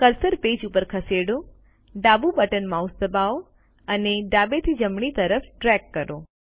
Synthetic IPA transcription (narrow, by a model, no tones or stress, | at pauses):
kəɾsəɾped͡ʒupəɾkʰəseɽo | ɖabubəʈənmausd̪əbao | əneɖabet̪ʰid͡ʒəmɳit̪əɾəfʈɾɛkːəɾo